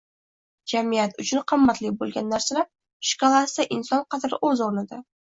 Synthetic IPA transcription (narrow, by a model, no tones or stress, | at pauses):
d͡ʒamijat̪ʊt͡ʃʰʊnqʰɨmːat̪lɪbolˠɡʲanːaɾsɪla | ʃɪ̥kolˠasaʔɪnsɒnqʰɑt̪ɾɪʔɵzoɾnɪd̪a